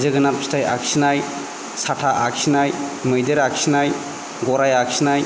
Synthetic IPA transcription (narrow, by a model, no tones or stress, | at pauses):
zɯɡɯnapstaja̰ksinaj | satʰaʔaksinajmɯjdeɾaksinaj | ɡɔɾajaksinaj